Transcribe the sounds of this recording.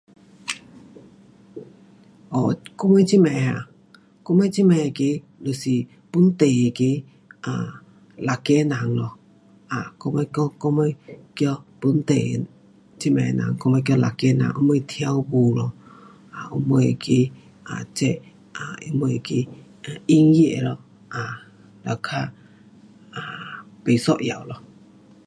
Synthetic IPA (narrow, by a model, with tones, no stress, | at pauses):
ɔ˨ko˦me˦t͡ʃi˦mɛ˨ɦa̰˨ | ko˦me˦t͡ʃi˦me˨ke˦ | lo˨si˨ | pu˦n˦t̪e˨e˨ke˦ | a˨ | la˨ke˦na˨ŋlɔ˨ | a˨ko˦me˦kɔ˦ko˦me˦kjɔ˦pu˦n̩˦t̪e˨ | t͡ʃi˦mɛ̰˨na̰˨ŋkɔ˦mə˧jkjɔ˧la̰˨kɛ˧˦na̰˨ʔu˦mə˧˦jt̪ʰi˦a˧˦wbu˨lɔ˧ | a˨ʔu˧˦mə˧˨˧ki˧˦ | a̰˨t͡ʃɛ˦˧ | a˨i˧˦mə˧jki˧ | a˨i˦ŋji˦ʔe˧˨lɔ˧ | a˨ | la˨kʰa˦ | a˨ | pe˨sɔ˦ʔja̰˨wlɔ˧